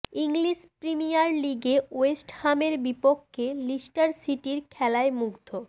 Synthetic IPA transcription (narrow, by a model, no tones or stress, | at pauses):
iŋliʃpɾimijaɾliɡeoesʈhameɾbipokʰːelisʈaɾsiʈiɾkʰɛlaemuɡd̪ʱo